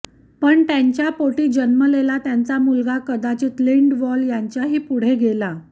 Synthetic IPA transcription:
pəɳt̪jaɲt͡ɕjapoʈiːd͡ʑənməlelat̪jant͡samulɡakəd̪at͡ɕiːt̪liɳɖʋɔljaɲt͡ɕjaɦiːpuɽ̤eɡela

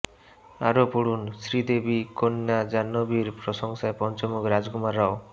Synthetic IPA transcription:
aɾopuɽunsɾid̪ebikonːad͡ʒanːobiɾpɾɔsɔŋsaepɔnt͡ʃɔmukɾad͡ʒɡumaɾːao

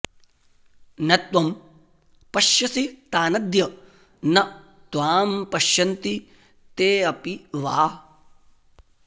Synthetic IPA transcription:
nɐt̪ʋɐm | pɐʃjɐsit̪aːnɐd̪jɐ | nɐ | t̪ʋaːmpɐʃjɐnt̪i | t̪eːɐpiʋaː

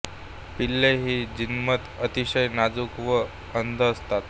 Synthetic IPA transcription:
pilːeɦiːd͡ʑinmət̪ət̪iɕəjnad͡zukʋə | ənd̪ʱəːst̪at̪

